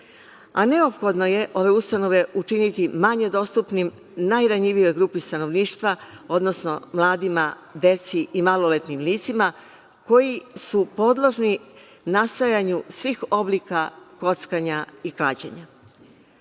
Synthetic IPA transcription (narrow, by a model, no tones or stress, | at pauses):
a̰ne̞o̞pxo̞d̪no̞je̞ʔo̞ʋe̞ust̪ano̞ʋe̞ʔut͡ʃinit̪imaɲe̞d̪o̞st̪upnim | najɾaɲiʋijo̞jɡɾuːpist̪ano̞ʋniːʃt̪ʋa | o̞d̪no̞sno̞̰mlˠaːd̪ima | d̪e̞t̪siʔimalo̞let̪nimliːt̪sima | ko̞jisupo̞d̪lˠo̞ʒni | nast̪ajaɲusʋiːxo̞bliːkako̞t̪skaɲaiklaːt͡ɕḛɲa